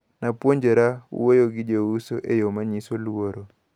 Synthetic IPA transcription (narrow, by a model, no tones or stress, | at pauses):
napwoɲd͡ʒeɾaṵwejoɡɪd͡ʒousoʔejomaɲisolwoɾɔ